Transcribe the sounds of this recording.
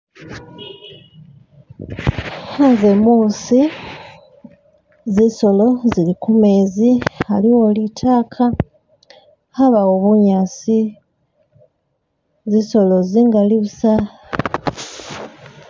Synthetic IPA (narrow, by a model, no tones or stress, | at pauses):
hazemuːsi | ziso̞lo̞zilikumeːzialiwolitʰaːkʰa | haβawoβuɲasi | ziso̞lo̞ziŋɡaliβusa